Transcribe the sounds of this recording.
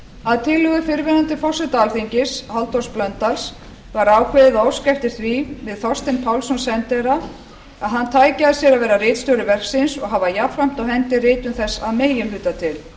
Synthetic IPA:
aðt̪ʰɪlːʏɣʏfɪɾvɪnant̪ɪfɔsɛt̪aalθiɲcɪshalt̪ɔɾ̥splœnt̪als | vaɾaːwkʰveːðɪðaːwskajft̪ɪɾ̥θvivɪðθɔst̪ɪnpʰawlsɔnsɛnt̪ɛɾa | aðɦant̪ʰaːjcaðɪsjɛɾaðvɛːɾarɪːt̪st̪ɔwɾɪvɛr̥ksɪnsɔɣɦavajafɾam̥t̪awhɛnt̪ɪrɪːt̪ʏmθɛsːaðmeːjɪmlʏːt̪at̪ʰɪl

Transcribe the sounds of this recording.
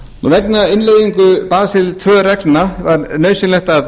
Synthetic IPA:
uvɛknaɪnlejðiŋkʏpaːsɪlt̪ʰvœːrɛknavaɾnœːɥsʏnlɛhxt̪að

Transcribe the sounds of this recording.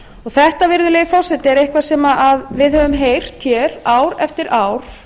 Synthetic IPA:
ɔɣθɛht̪avɪɾðʏleːjɪfɔwsɛt̪ɪɛɾehkvasɛːmaʔaðvɪðhœvʏmɦeːjr̥t̪çjɛːɾ̥aːwɾɛft̪ɪɾaːwɾ̥

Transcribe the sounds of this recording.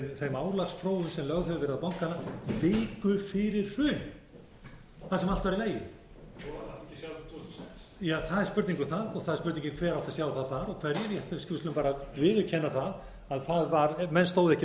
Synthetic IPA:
nθejmaːwlaksfɾoːwʏmsɛmlœɣθœvɪɾðaðpawŋ̥kanːavɪːkʏfɪɾɪɾ̥hʏn | θasɛmal̥t̪vaɾileːjɪ | at̪ʰ | jaθaðɛɾ̥spʏɾt̪niŋkʏθaðɔɣθaðɛ̥spʏɾt̪niɲcɪmkʰvɛːɾawht̪asjaːwθawθaɾɔkʰvɛɾnɛɾjɛθɛscɪvst̪ʏmpaːɾavɪðʏcʰɛnːaθað | aðθaðvaɾmɛnst̪oːwðɛhcɪ

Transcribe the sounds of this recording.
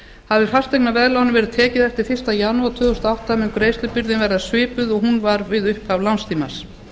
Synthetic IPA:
haðvɪfast̪ejknavɛðlawnɪvɛːɾɪð̥t̪ʰɛːcɪðɛft̪ɪɾ̥fɪ̥t̪ajaːnuat̪ʰʏːðʏst̪aawht̪amɪŋkɾejst̪lʏpiɾðɪnvɛɾðaðsvɪːpʏðɔɣɦunvaɾvɪðʏhpavlawnst̪ʰiːma̰s

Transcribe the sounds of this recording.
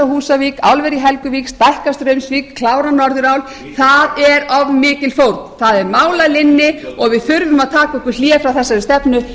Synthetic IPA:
ahuːsaviːkawlvɛɾjiɦɛlkʏviːkst̪ajhkast̪ɾœɥmsviːkʰlaːwɾanɔɾðʏɾawl | θaðɛɾɔvmɪːcɪlfowɾt̪nθaðɛɾmaːwlalɪnːɪɔɣvɪðθʏɾvʏmaðt̪ʰaːkaɔhkʏɾ̥l̥jɛːfɾawθɛsːaɾʏst̪ɛpnʏ

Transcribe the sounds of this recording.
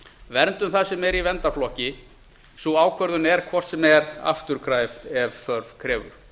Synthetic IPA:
vɛɾnt̪ʏmθasɛmɛɾivɛnt̪aflɔhcɪ | suaːwkʰvœɾðʏnɛɾ̥kʰvɔr̥t̪sɛmɛɾa̰ft̪ʏɾ̥kʰɾaːjvɛvθœɾvkʰɾɛːvʏ̰ɾ̥

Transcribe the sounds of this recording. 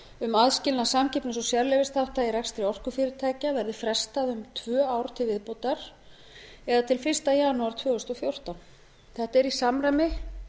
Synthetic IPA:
ʏmaðscɪlnasamcɪpnʏsɔsjɛɾlɛvɪst̪awht̪aiɾɛkst̪ɾɪɔr̥kʏfɪɾɪɾt̪ʰaːjcavɛɾðɪfɾɛst̪aðʏmt̪ʰvœːaːwɾt̪ʰɪlvɪðpowt̪aɾ̥ | ɛðat̪ʰɪlfɪr̥st̪ajaːnʊaɾ̥t̪ʰvœːɣʏst̪ɔfjowr̥t̪awn | θɛht̪ɛɾisamɾajmɪ

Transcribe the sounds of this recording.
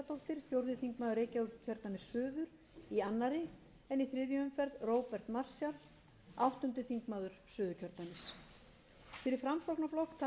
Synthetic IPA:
at̪ʰowht̪ɪɾ̥fjowɾðɪθiŋkmaːðʏɾejcaʏcʰœɾt̪namɪsːʏːðʏɾ̥ | ianːaɾɪ | ɛniθɾɪðjʏʏmfɛɾðroːwpɛr̥t̪mar̥sjal | awht̪ʏnt̪ʏθiŋkmaːðʏɾ̥sʏːðʏcʰœɾt̪namɪs | fɪɾɪɾ̥fɾamsoknaflɔhkt̪ʰa

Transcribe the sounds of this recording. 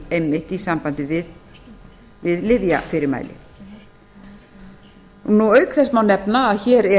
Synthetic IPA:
ejmːɪht̪isampant̪ɪvɪð | vɪðlɪvja̰fɪɾɪɾma̰ːjlɪ̰ | nuœɥkθɛsmawnɛpnaːðçɛːɾɛ

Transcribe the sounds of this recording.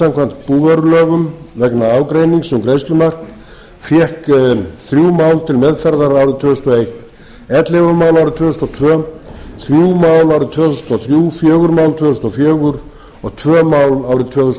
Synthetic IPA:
samkʰvanm̥t̪puːvœɾʏlœːɣʏmvɛknaaːwkɾejniŋksɛmkɾejst̪ʏmar̥kn | fjɛhkθɾjuːmaːwlt̪ʰɪlmɛðfɛɾðaɾaːwɾɪt̪ʰvœːθust̪ɔejht̪ | ɛt̪levamaːwlaːwɾɪt̪ʰvœːθust̪ɔt̪ʰvœːθɾjuːmawlawɾɪðt̪ʰvœːθust̪ɔθɾjuːfjœːɣʏɾmaːwlt̪ʰvœːθust̪ɔfjœːɣʏɾ̥ | ɔɣt̪ʰvœːmawlaːwɾɪðt̪ʰvœːθus

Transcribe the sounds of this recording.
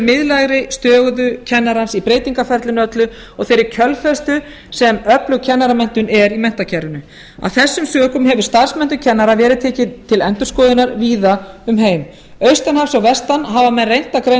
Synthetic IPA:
mɪðlaɣɾɪst̪œːɣʏðʏcʰɛnːaɾansipɾeːjt̪iŋkafɛɾt̪lʏnœt̪lʏ | ɔɣθejɾɪɾcʰœlfɛst̪ʏ | sɛmœplʏcʰɛnːaɾamɛn̥t̪ʏnɛɾimɛn̥t̪acʰɛɾʏnʏ | a̰wθɛsːʏmsœːkʏmɦɛvʏɾ̥st̪ar̥smɛn̥t̪ʏcʰɛnːaɾavɛːɾɪt̪ʰɛːcɪnt̪ʰɪlɛnt̪ʏ̥skɔːðɪnaɾviːðaʏmɦeːjm | œɥst̪ɛnhafsawvɛst̪anɦaːvamɛnrejn̥t̪akɾe

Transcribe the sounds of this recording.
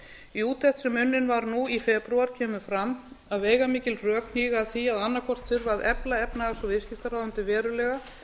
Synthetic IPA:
iuːt̪θɛht̪sʏmːʏnːɪnvaɾnuifɛpɾuaɾ̥cʰɛːmʏfɾamaðveːjɣamiːcɪlrœːkn̥iːɣaθiaðanːakʰvɔr̥t̪θʏɾvaðɛplaɛpnaɣasɔvɪðscɪft̪aɾaːwðʏnt̪ɪvɛːɾʏlɛːɣa

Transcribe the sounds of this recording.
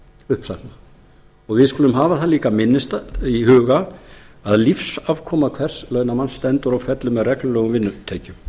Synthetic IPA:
ʏhpsana | ɔɣvɪðskuːlʏmɦaːvaθaliːkamɪnːɪst̪aiɦʏːɣaaðlifsavkʰɔːmaðkʰvɛr̥slœːɥnamanst̪ɛnt̪ʏɾawfɛt̪lʏmɛðrɛklʏlœːɣʏmvɪnːʏt̪ʰeːcʏm

